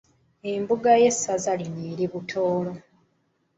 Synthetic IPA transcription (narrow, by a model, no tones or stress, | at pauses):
embuɡaje̞sːazalineːɾiβutʰoːlo̞